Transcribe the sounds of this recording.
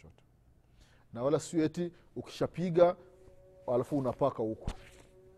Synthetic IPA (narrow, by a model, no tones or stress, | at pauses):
ɔtɔ̥ | nawalasuɛti | uki̥ʃapiɠa | alafuːnapakahukɔ̥